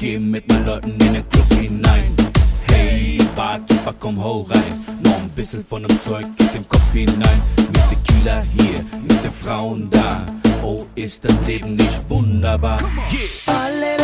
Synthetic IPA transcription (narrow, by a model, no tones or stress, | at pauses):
ɡ̥eːmɪt̚maɪnlɔɪtn̩ɪndenkʰɔpinaɪnhɛɪbaːkɪpakʰɔmholʁaɪnːɔχn̩bɪsl̩fɔndəmt͡sɔʏk̚ɡ̥ɪd̥enkʰɔpfinaɪnmɪt̚d̥ekʰilɐhiːɐmɪt̚d̥efʁaʊəndaːʔoːɪstd̥asleːbn̩lɪçtvʊndɐbaː